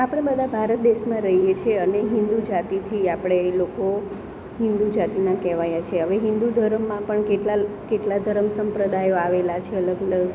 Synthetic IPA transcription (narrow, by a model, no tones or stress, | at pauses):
apəɽ̃ebəd̪ʱabʱaɾət̪̚d̪eʃmãɾəɦijet͡ʃʰeəneɦɪ̃nd̪ud͡ʒat̪it̪ʰiapɽ̃eloko | ɦɪ̃nd̪ud͡ʒat̪inãkɛʋajat͡ʃʰeɦəʋeɦɪ̃nd̪ud̪ʱəɾəmːãpəɳkeʈlakeʈlad̪ʱəɾəmsəmpɾəd̪ajoaʋelat͡ʃʰeələɡələɡ